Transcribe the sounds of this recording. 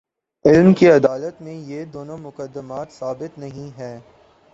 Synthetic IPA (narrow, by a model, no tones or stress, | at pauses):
ɪlmkeɐd̪aːlət̪mẽjed̪oːnõmʊkəd̪ːəmaːt̪saːbɪt̪nɐɦĩɦɛː